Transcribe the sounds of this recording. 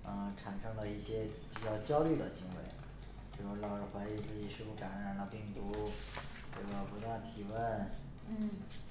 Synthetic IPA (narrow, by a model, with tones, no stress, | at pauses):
ə˧ʈ͡ʂʰa˨˩nʂɤ˥ŋd̪ə˨˧i˥˩ɕjɛ˥pi˨˩t͡ɕjɑ˥˧ʊt͡ɕjɑ˥ʊly˥˩d̪ə˩ɕi˧˥ŋwḛ˧˥ɪ | t͡ɕu˥˧˩u˥lɑ˨˩ʊɻə˧˥xwa˧˥i˥˧t͡ɕi˥˩ʂɻ̩˥˩pu˥˩ka˧˥nɻa˨˩nlə˧pi˥˩ŋt̪u˧˥ | xo˥˩ɡə˧˩pu˧˥t̪t̪ʰi˨˩wə˥˧n˥